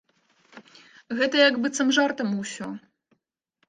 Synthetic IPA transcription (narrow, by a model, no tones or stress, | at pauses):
ɣɛt̪ɐjɐɡbɨt̪sɐmʐart̪ɐmusʲɔ